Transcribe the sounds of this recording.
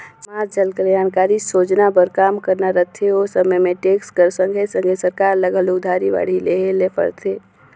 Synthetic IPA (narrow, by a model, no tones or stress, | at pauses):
smaːt̪̚d͡ʒəlkəɾjaːnkaːɾisoːd͡ʒnabəɾkaːmkəɾnaɾət̪ʰːeosəməjmẽʈeːkskəɾsə̃ŋɡʱesə̃ŋɡʱesəɾkaːɾləɡəlod̪ʱaːɾiʋa̰ɽ̤ileɦelepʰə̰ɾt̪ʰeː